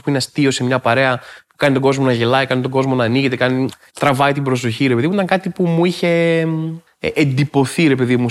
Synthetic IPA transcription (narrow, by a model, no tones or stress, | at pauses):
spuinest̪io̞se̞mɲɐpɐɾe̞ɐpukɐnit̪o̞ɡo̞zmo̞nɐʝe̞lɐikɐnit̪oɡo̞zmo̞nɐːniʝe̞t̪e̞kɐni | t̪ɾɐvɐit̪ibɾo̞s̬o̞çiɾepe̞ðimuit̪ɐŋkɐt̪ipumuiçe̞ | ʔːnd̪ipo̞θiɾe̞pe̞ðimu